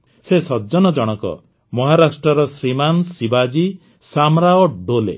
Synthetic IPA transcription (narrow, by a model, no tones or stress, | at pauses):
sesɔd͡ʒɔnɔd͡ʒɔɽ̃ɔkɔ̰ | mɔɦaɾasʈɾɔɾɔsɾimansibad͡ʒi | samɾaɔɖolḛ